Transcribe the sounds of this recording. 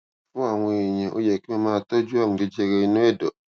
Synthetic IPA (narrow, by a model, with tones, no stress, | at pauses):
fʊ˦a˨ŋʷiː˦˨ɲɛ̃˨ʔʊ̰˦jɛ˨kɪ˦ɛ˦maː˦tɔ˦d͡ʒu˦a˦˨m˨dɪ˦d͡ʒɛ˦ɡɛ˦nʊ̃˦ɛ˦dɔ˨